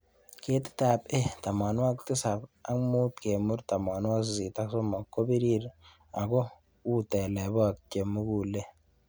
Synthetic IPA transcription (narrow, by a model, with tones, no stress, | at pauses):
ke˦tɪ̥˦ta˨pe˦ta˨ma˨nwa˦kti˦sa˨ba˦ŋmu˦tke˨mu˦ɾta˨ma˨nwa˦zi˨ta˦kso˦ma˨kːo˦bi˦ɾi˦ɾ | a˨kɔ˦ | u˦tɛ˨lɛ˨bɔ˦a˨kte˨mu˦ku˦˨le˦